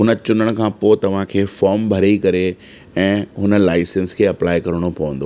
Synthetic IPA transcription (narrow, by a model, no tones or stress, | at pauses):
ɦʊnə̆t͡ɕʊnəɽ̃ʊ̆kʰãːpoːɪt̪ɐʋ̤ãkʰeːfɔːɾmbʱɐɾikɐɾe | ɛ̃ːɦʊnə̆laːɪsẽnskʰeːɐplaːɪkɐɾəɽ̃opɐʋə̃nd̪oː